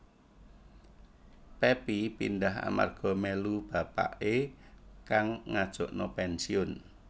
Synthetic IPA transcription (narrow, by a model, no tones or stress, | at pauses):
pɛpipindaɦa̰ma̰rɡ̥ɔ̤mɛlub̥a̤pa̰ʔekaŋŋad̥ʒ̥ɔ̤ʔnɔpɛnsiʊn